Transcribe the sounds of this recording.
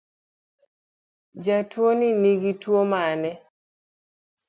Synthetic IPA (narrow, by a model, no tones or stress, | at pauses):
d͡ʒatwoniniɡitwomanɛ